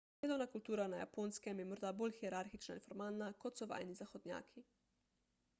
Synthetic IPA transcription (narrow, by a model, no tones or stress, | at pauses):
d̪eːd̪ɔwnakult̪uːɾanaja̰poːnskɛmjɛmɔɾd̪aboːlxiɛɾaɾxit͡ʃnainfɔɾmalnakɔt̪sɔʋa̰jnizaxɔd̪nʲja̰ːkʰi